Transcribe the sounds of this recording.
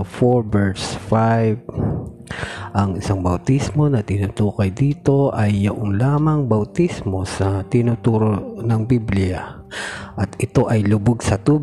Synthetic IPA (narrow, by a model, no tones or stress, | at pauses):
foɹbɛɹsfajb | ʔɐŋɪsaŋbɐwt̪ismo̞nɐt̪ɪnut̪uːkɐjd̪iːt̪o̞ʔɐjːɐʔoŋlaːmɐŋbɐwt̪ismo̞sɐt̪ɪnut̪uːɾonɐŋbiblɪa | ʔɐt̪ʔɪt̪o̞ʔɐjlʊboɡsɐt̪uːb